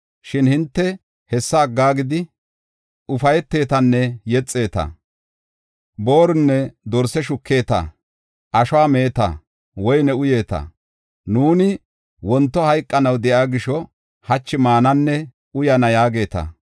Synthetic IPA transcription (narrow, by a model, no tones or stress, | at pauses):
ʃɪnhɪnt̪ːɛ | hɛsːɐːɡːaːɡɪd̪ɪ | ʊfɐjɛt̪ːe̞ːt̪ɐnːɛjɛt͡sʼːe̞ːt̪ɐ̰ | bo̞ːɾʊnːɛd̪ɔɾsɛʃʊkːe̞ːt̪ɐ̰ | ʔɐʃɔwaːme̞ːt̪ɐ̰ | wɔjnɛʊje̞ːt̪ɐ̰ | nuːnɪ | wɔnt̪ːɔhɐjkʼːɐnɐwd̪ɛʔaːɡɪʃɔ | hɐt͡ʃːɪmaːnɐnːɛ | ʊjɐnɐjaːɡe̞ːt̪ɐ̰